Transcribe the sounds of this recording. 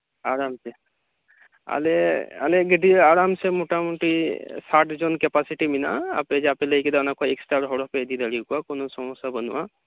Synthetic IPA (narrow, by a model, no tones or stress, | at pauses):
aɹamsɛ | a̰lɛa̰lɛɡeʈiaɹamsɛmɔʈamɔʈisaʈʰzɔnkɛpasiʈimina̰a̰pɛzɛapɛlaiked̪anakɔaɛkstaɹɦɔɹɔpɛd̪id̪alikʊakɔnɔsɔmɔsabɔnʊwʔa̰